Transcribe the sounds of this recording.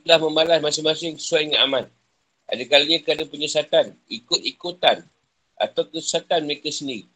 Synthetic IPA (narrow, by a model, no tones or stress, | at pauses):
lahmə̃malasmasɪŋmasɪŋsaiŋa̰man | ʔa̰dakaliɲãkəadapəɲəsat̪anikʊt̪̚ikut̪an | ʔa̰t̪awkəsat̪anməɾekasəndiɣi